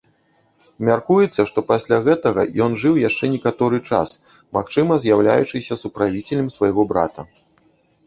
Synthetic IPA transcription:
mʲarkujɛt̪sːɐʂt̪ɔpasʲlʲaɣɛt̪ɐɣɐ̰jɔnʐɨwjaʂt͡ʂɛnʲɛkat̪ɔɾɨt͡ʂa̰s | maxt͡ʂɨmɐzʲjawlʲa̰jut͡ʂɨsʲɐsupɾavʲit͡sʲɛlʲɐmsvɐjɣɔbɾa̰t̪ɐ

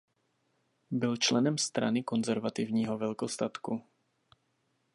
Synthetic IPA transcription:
bɪlt͡ʃlɛnɛmst̪ɾa̰nɪko̞nzɛɾvat̪ɪvɲiːɦovɛlkost̪at̪ku

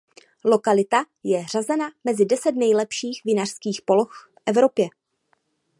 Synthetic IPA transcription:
lo̞kalɪt̪a | jɛr̝azɛnamɛzɪdɛsɛt̪nɛjlɛpʃiːxvɪnar̝̥skiːxpo̞loxfʔɛvɾo̞pjɛ

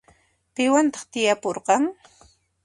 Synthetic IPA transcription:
pɪwant̪ɑ̥χt̪ɪjapoɾqɑŋ

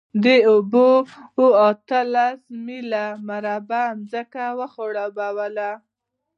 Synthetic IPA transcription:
d̪əobooat̪əlasmilamaɾabaːmzəkawəxoɽɑbawəla

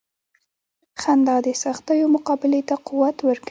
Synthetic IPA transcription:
xand̪ɑd̪əsaxt̪əjomʊqɑbɪlet̪aquwat̪wəɾk

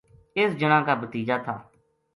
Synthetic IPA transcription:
ɪsd͡ʒəɽãːkaːbət̪iːd͡ʒaːt̪ʰaː

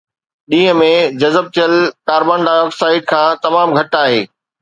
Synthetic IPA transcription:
ɗĩːɦə̆mẽd͡ʑɐzəb̚t̪ʰijəlkaːɾbaːnɖaːɪjɔːksaːɪɖ̚kʰãːt̪ɐmaːmɡʱɐʈaːɦeː

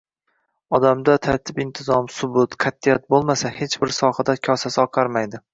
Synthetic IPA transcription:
ɒd̪amd̪at̪ʰaɾt̪ʰɪpɪnt̪ʰɪzɒmsʊbʊt̪qʰat̪ːijat̪̚bolˠmasahe̞t͡ʃbɪɾsɒhad̪akʲʰɒsasɪɒqʰɑɾmajd̪ɪ

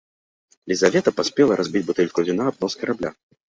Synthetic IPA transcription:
lʲizavʲɛt̪ɐpasʲpʲɛlˠɐɾʔazʲbʲid͡zʲbut̪ɛlʲkuvʲinaːb̚nɔskɐɾablʲa̰

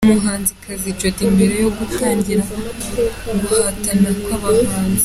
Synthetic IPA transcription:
muɦaːnzikʰazit͡ʃotimbiɾejoɡutaːɲɟiɾa | βuhatanakaβafaːnzi

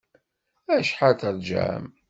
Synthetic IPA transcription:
æʃħaθəɾˤd͡ʒæ̰m

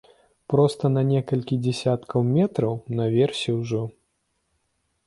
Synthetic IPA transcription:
pɾɔst̪ɐnɐnʲɛkɐlʲkʲid͡zʲɛsʲat̪kʰɐwmʲɛt̪ɾɐwnɐvʲɛrsʲiwʐɔ

